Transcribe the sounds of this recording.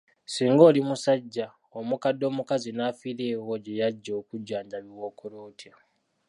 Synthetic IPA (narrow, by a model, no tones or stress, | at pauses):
siːŋɡo̞ːlimusaɟːa | omukadːo̞ːmukazinaːfiɾeːwoɟe̞jaɟːokuɟaːɲɟaβiwo̞koɾoːtʰja